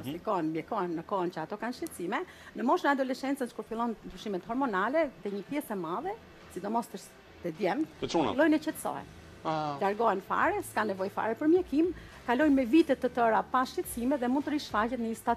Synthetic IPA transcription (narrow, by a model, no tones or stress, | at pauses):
sikɔɛnmjɛkɔɛmnəkɔɛncəat̪ɔkanʃcɛt̪simɛ | nəmɔʃnəad̪ɔlɛʃɛnt͡sənt͡ʃə̥kuɾfilˠɔnd̪ɾyʃimɛt̪hɔɾmɔnalɛt̪ɛɲəpjɛsɛmaðɛ | sid̪ɔmɔst̪əɾs | t̪ɛd̪jɛmt̪unilˠɔjnɛcɛt̪sɔ̰ɛ̰n | laɾɡɔɛnfa̰ɾɛskanɛvɔjfa̰ɾɛpəɾmjɛkim | kalɔjmɛvit̪ɛt̪ːət̪əɾapaʃcɛt̪simɛðɛmund̪t̪əɾiʃfacɛt̪nəst̪at̪